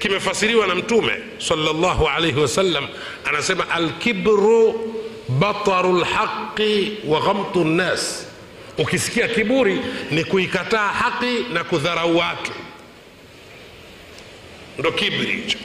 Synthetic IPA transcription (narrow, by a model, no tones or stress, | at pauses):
kimɛfasiɾiwanam̩tumɛ̰ | sɑlːalːɑɦuʕalɛjɦiwasalːam | anasɛmaʔalkibɾu | ɓat̪ˤɑɾulħaqːiwaɣamt̪ˤunːaːs | ukisi̥kiakiɓuɾinikuikataːhaqːinakuðaɾauwatu | ndɔkibɾḭ